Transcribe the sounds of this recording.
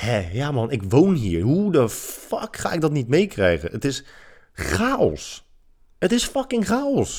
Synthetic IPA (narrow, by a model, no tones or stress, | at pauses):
hɛjamɑnɪkʋownɦiːɹɦudəfɑkχa̰ːɪɡ̚dɔtnitmejkrɛjɣə̰nətɪs | χaːɔ̰s | ətɪsfɑkɪŋχaːɔs